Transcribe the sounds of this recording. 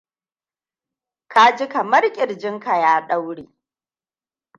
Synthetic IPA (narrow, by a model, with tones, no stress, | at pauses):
ka˦d͡ʒɪ˦ka˨mɐ˦rkʲʼɪ˨ɽd͡ʒɪ˦ŋka˨jaː˦ɗa˦wɽeː˨